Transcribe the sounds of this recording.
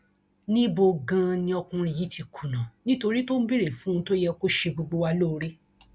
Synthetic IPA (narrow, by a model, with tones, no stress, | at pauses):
nĩ˦bo˧ɡã˧nĩ˧ɔ˧kũ˧ɾ̃ĩ˧˨ji˨˦ti˧kʰu˨nã˨nĩ˦to˧ɾi˦to˦n̩˦bi˦ɾe˨fũ˨˦ũ˧to˦jɛ˧ko˦ʃe˧ɡ͡bo˧ɡ͡bo˧wa˧lo˦˨˧ɾe˦